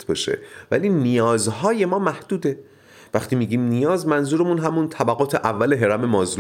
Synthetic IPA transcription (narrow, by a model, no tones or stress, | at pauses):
t̪ʰbɒːʃḛvæliːnijɒːzɦɒːje̞mɒːmæhd̪̥uːd̪e | væχt̪ʰiːmiːɡiːmnijɒːzmænzuːɾemunɦæmunt̪ʰæbæɣɒːt̪ʰeʔævːæleɦe̞ɾæmemɒːzl